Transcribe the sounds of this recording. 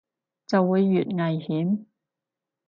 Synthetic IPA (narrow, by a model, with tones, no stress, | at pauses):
t͡sɐ˨wːuː˨˧jːyː˨t̚ŋɐ˨jhiː˨˥m